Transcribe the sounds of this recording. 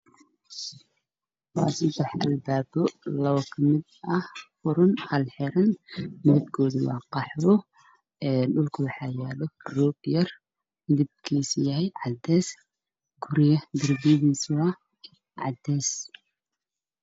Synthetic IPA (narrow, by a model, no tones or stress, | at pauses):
wɑːsɐd̪ɛħʔɐlbaːbɔlɐwɔkʰɐmɪd̪ɐhfʊɾʊnhɐlħɛɾɐnmɪðɪb̚kʰɔːðɪwɑ̰ːqɑħɔ | ɛːɗʊlkʰɐwɑħɑːjaːlɔrɔːɡjɐr | mɪðɪb̚kʰiːsjɐɦɛjʕɑd̪ɛːs | ɡ̥ʊɾɪjɐd̪ɪrbiðiːsʊɐ | ʕɑ̰d̪ɛːs